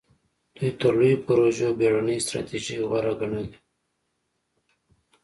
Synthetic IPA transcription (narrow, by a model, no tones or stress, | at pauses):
d̪̥ujt̪əɾlujipəɾoʒobeɽanəjst̪ɾa̰t̪iʒiwaɾaɡaɳali